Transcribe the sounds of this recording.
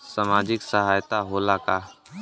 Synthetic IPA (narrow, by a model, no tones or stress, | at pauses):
səmaːd͡ʒɪksəɦaːjt̪aɦoːlaːkaː